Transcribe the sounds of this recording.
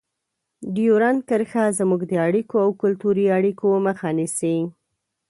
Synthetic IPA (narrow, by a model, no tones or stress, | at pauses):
ɖijoɾankəɾxazmuɡd̪əaɽikoawkʊlt̪uɾiaɽikoməxɑnise